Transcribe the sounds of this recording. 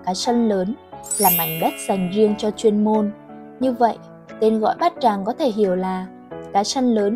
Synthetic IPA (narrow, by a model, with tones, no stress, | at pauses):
kaː˨˦sə˧nləː˨˦nlaː˨˩ma˨˩jŋ̟ɗə˦˥t̚z̥a˨˩jŋ̟zi˧əŋt͡ɕɔ˧t͡ɕwi˧ənmo˧n | ɲɨ˧və̰˧˨jʔ | t̪e˧nɣɔ̰˧˨jɓaː˦˥t̚t͡ɕaː˨˩ŋkɔ˨˦t̪ʰe˧˩ɦi˧˩əwlaː˨˩ | kaː˨˦sə˧nləː˨˦n